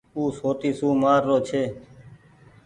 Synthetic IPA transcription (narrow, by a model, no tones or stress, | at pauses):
uːsoːt̪iːsuːmaːɾːoːt͡ʃʰeː